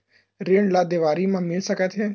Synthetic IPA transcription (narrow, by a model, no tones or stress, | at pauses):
ɾeːɳlaːd̪eʋaːɾiːmãːmɪlsəkət̪ʰɦeː